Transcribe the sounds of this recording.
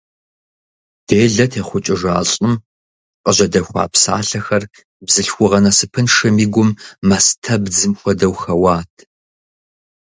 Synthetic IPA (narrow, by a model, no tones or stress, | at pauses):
d̥eːɮɐtʰeːχʷʊt͡ʃʼɪʒa̰ːɕʼɪm | qʼəʑɐdɐxʷɑ̰ːpsa̰ːɬɐxɐr | bzɨɬxʷʊʁɐnɐsɨpʰɨnʂɐmiːɡʷʊmːɐstʰɐbd͡zɨmxʷɔdɐwxɐwaːtʰ